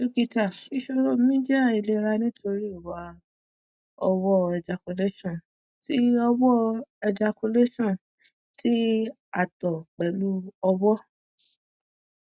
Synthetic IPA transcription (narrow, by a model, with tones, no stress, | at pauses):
u˦ki˧ta˨i˧ʃo˧ɾo˦˨˦mĩ˦d͡ʒa˦˨i˨˧le˧ɾa˧nĩ˦tʰo˧ɾi˦o˨wa˨˦ | ɔ˧wɔ˦ɛ˨d͡ʒa˨ko˧le˦ʃɔ̃˦˨ | ti˦ɔ˧wɔ˦ɛ˧d͡ʒa˧ko˧le˦ʃɔ̃˦˨ | tʰi˦ | a˨tɔ˨k͡pɛ˨lu˦ɔ˧wɔ˦